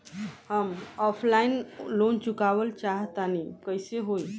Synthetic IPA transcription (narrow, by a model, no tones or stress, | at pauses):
həmɔpʰlainlont͡ʃukaʋəlt͡ʃaɦət̪anikəjseɦoj